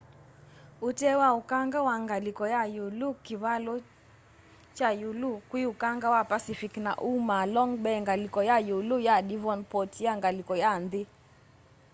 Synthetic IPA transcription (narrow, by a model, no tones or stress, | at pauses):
utɛwaukaŋɡawaŋɡalikɔjajulukiβalɔ | t͡ʃajulukwiukaŋɡawapasifikna̰ʔumalɔŋɡbɛŋɡalikɔjajulujadivɔnpɔtjaŋɡalikɔjandi